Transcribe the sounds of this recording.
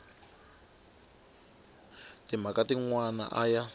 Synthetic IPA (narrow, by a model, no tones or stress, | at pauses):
tim̤akatiŋwana̰ʔaja